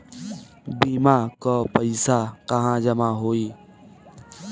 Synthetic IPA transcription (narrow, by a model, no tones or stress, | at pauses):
biːmaːkoːpəisaːkəɦãːd͡ʒəmaːɦoːiː